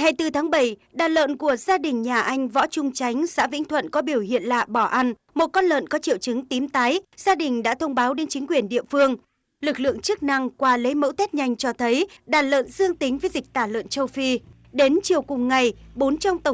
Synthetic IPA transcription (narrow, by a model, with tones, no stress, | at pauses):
ha˧˩jt̪ɨ˧˩t̪ʰaː˨˦ŋɓə˧˩jɗaː˨˩t̚lə̰ː˧˨nku˧˩əzaː˧ɗï˨˩ŋ̟ɲaː˨˩ʔa˧jŋ̟vɔ̰˧˥t͡ɕʊ˧ŋ͡mt͡ɕa˨˦jŋ̟sa̰ː˧˥vḭ̈˧˥ŋt̪ʰwə̰˧˨nkɔ˨˦ɓi˧˩əwhḭ˧˨ənla̰ː˧˨ɓɔ˧˩ʔa˧n | mo˨˩t̚kɔ˧nlə̰ː˧˨nkɔ˨˦t͡ɕḭ˧˨əwt͡ɕɨ˨˦ŋt̪i˨˦mt̪aː˨˦jz̥aː˧ɗï˨˩ŋ̟ɗa̰ː˧˥t̪ʰə˧wŋ͡mɓaː˨˦wɗe˨˦nt͡ɕï˨˦ŋ̟kwi˧˩ənɗḭ˧˨əfɨ˧əŋ | lɨ˨˩k̚lɨ̰˧˨əŋt͡ɕɨ˦˥ək̚na˧ŋkwaː˧le˨˦jmə̰˧˥wt̪eɛ˦˥t̚ɲa˧˩jŋ̟t͡ɕɔ˧t̪ʰə˨˦jɗaː˨˩tlə̰ː˧˨nzɨ˧əŋt̪ï˨˦ŋ̟və˨˦jzï˨˩k̟̚t̪aː˧˩lə̰ː˧˨nt͡ɕə˧wfi˧ | ɗe˨˦nt͡ɕi˨˩əwkʊ˨˩ŋ͡mŋa˨˩jɓo˨˦nt͡ɕɔ˧wŋ͡mt̪ə˧˩